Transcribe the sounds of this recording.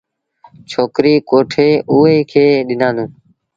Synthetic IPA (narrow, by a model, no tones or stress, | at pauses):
t͡ʃʰoːkɾiːkoːʈʰeːʔuːɦeːkʰeːɗɪnãːnd̪ũː